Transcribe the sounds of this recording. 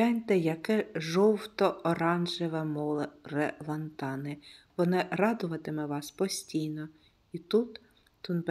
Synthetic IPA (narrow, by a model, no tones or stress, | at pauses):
ɛnʲt̪ɛjɐkɛʒɔwt̪ɔɔɾɑnʒɪʋɛmɔlˠɾɛlˠɐnt̪ɑnɪʋɔnɪrɑd̪ʊʋɐt̪ɪmɛʋɑspɔsʲtʲijnɔ | it̪ut̪ | t̪ʊnb